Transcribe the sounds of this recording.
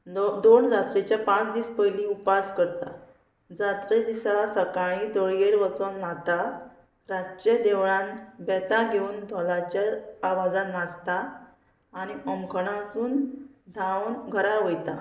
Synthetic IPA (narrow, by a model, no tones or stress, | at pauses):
d̪ond͡zat̪ɾet͡ɕjapãt͡sd̪iːspəjliupaskəɾt̪a̰ | d͡zat̪ɾed̪isasəkaɭ̃ĩd̪ɔɭjeɾʋət͡sɔnat̪a | ɾat͡ɕed̪eʋɭãnbɛt̪aɡʱeuːnd̪ʱɔlat͡ɕjaːʋad͡zanast̪aː | niʔəmkʰəɽ̃ãt̪uːnd̪ʱanɡʱəɾaʋəjt̪a